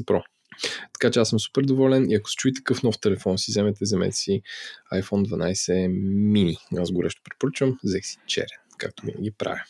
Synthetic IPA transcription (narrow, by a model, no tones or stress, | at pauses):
pɾɔ | t̪ɐ̥kat͡ʃɛasɤmsu̥pɛɾd̪ovɔlɛniɐko̥sɛ̥t͡ʃuit̪ɐ̥kɤfn̪ɔft̪ɛlɛfɔnsizɛmɛt̪ɛzɛmɛ̰t̪ɛsiajfɔnd̪vɐnajsɛminʲiazɡʊɾʔɛʃt̪o̥pɾɛpoɾət͡ʃvəmzɛxsi̥t͡ʃɛ̰ɾɛnka̰k̚t̪ovḭnə̰ɡʲipɾa̰vʲi